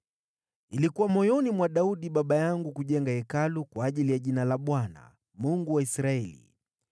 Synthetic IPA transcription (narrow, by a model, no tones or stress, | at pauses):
ilikuwamɔjɔnimwaɗauɗiɓaɓajaŋɡukuʄɛŋɡaɛkalukwaːʄilijaʄinalaɓwana̰ | muŋɡuwaisɾaɛlḭ